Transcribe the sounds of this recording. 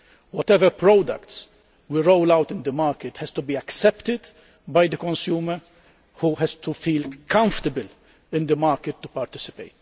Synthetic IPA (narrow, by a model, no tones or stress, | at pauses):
wɔt̪ɛvəɾpɾod̪ɐ̰kt̪s | wiɾoʊlɐwt̪ɪ̃nd̪əmɐːɾkɪt̪hɛst̪ʊbiːɐksɛpt̪ɪd̪ | bɐjd̪əkɔ̃nsjuːməɾ | huɦɛzt̪ufiːlkɐ̃ɱft̪əbəl | ɪ̃nd̪əmɐːɾkɪt̪ːupɐɾt̪ɪsɪ̥peɪt̪